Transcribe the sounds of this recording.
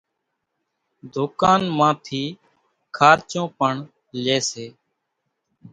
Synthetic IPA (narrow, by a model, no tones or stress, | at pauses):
d̪ʱʊːkaːnmãːt̪ʰiː | kʰaːɾt͡ʃõːpəɳ | leːseː